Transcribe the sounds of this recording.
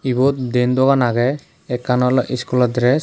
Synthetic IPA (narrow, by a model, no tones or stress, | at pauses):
ibɔt̪̚d̪end̪ɔɡanaɡɛ | ɛkːanɔlɔʔiskulɔdɾɛs